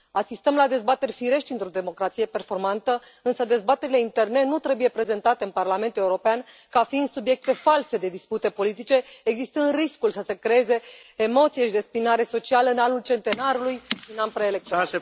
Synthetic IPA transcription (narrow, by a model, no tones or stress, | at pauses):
asist̪əmlad̪e̞zbat̪e̞rʲfiɾe̞ʃt̪ʲint̪ɾo̞d̪e̞mo̞kɾat̪sije̞pe̞rfo̞rmant̪ə | ɨnsəd̪e̞zbat̪e̞ɾile̞int̪e̞rne̞nut̪ɾe̞buje̞pɾe̞ze̞nt̪at̪e̞ɨnparlame̞nt̪uleuɾo̞peankafind̪subje̞k̚t̪e̞false̞d̪e̞d̪isput̪e̞po̞lit̪it͡ʃe̞ːɡzist̪ɨnd̪riskulsəsekɾeeze̞ːmo̞t̪sijeʃid̪espinaɾe̞so̞t͡ʃialəɨnanult͡ʃe̞nt̪e̞naɾulujʃiɨnanpɾeelekt̪o